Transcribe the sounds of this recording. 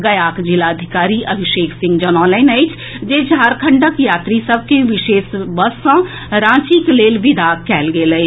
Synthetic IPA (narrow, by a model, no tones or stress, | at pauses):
ɡɐjaːkd͡ʒɪlaəd̪ʱɪkaːɾiʔɐbʱɪʃeːkʰsɪ̃ŋɡd͡ʒɔnɔ̃ːləɪnɐɪt͡ʃ | d͡ʒeːd͡ʒʱaːɾkʰə̃ɳɖəkjaːt̪ɾisəb̚ʱkeʋɪʃeːʃbəsã | ɾãːt͡ʃikleːlʋɪd̪ʱaːkɛːlɡeləe